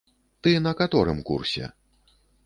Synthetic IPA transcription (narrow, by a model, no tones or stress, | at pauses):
t̪ɨnɐkat̪ɔɾɨmkṵrsʲɛ̰